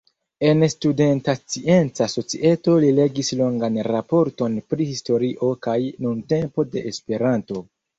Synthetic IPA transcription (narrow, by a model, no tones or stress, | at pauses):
e̞nstude̞ntat͡sie̞nt͡saso̞t͡siʔe̞to̞lile̞ɡislo̞ŋɡanɾapo̞ɾto̞npɾihisto̞ɾiʔo̞kajnunte̞mpo̞de̞ʔːspe̞ɾanto̞